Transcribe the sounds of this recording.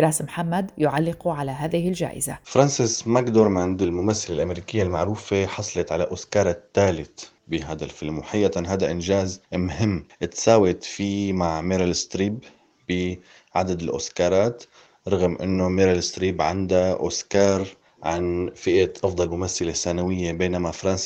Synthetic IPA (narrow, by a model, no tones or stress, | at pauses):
ɾˤaːsmħamːad̪jʊʕalːɪquʕalaɦaːðɪhɪld͡ʒa̰ːʔɪ̰za̰fɾˤɑnsɪsmakd̪oɾmand̪ɪlmʊmaθːɪlelʔameɾiːkɪjːalmaʕɾuːfeħɑsˤlɑt̪ʕalaʔʊskɑːɾˤɑt̪ːaːlɪt̪ | bɪɦaːd̪alfɪlmʊħajːat̪anɦaːd̪aʔɪnʒaːzmɦɪmːʔɪt̪saːwɪt̪fiːmaʕmeɾalɪst̪ɾiːbː | ɪ | ʕad̪ad̪ɪlʔʊ̰skɑːɾˤɑːt̪ | ɾˤɑɣmʔɪ̰nːomɪɾalɪst̪ɾiːbʕa̰nd̪aʔʊ̰skɑːɾˤ | ʕanfɪʔaʔɑfd̪ˤɑlmʊmaθːalesːanawɪjːebeːnamafɾˤɑns